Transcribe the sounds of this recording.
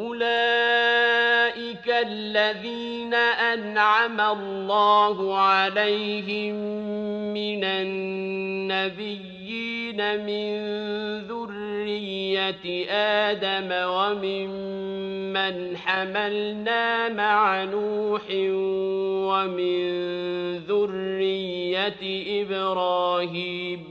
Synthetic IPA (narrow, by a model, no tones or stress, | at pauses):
ʔʊlaː | ʔɪkalːaðiːnaʔanʕamalːɑːhʊʕalejɦɪmmːɪnanː | abɪjːiːnamɪnnðʊrːɪjːat̪ʔaːd̪amawamɪm | mːanħamalnaːmaʕanuːħɪnwamɪnnðʊrːɪjːat̪ʔɪbɾɑːɦiːm